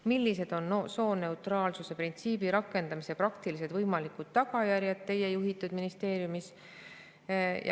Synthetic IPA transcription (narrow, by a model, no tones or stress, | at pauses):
milːise̞d̪̥o̞nːoso̞ːne̞ut̪rɑːlsuse̞print̪siːb̥iɾɑkːˑe̞nd̪ɑmiseprɑkt̪ilis̬e̞d̪vɤjmɑlikˑud̪̥t̪ːɑɡɑjæɾjɑt̪t̪ːe̞jejuɦit̪ːˑud̪̥minist̪e̞ːɾjumis | j̰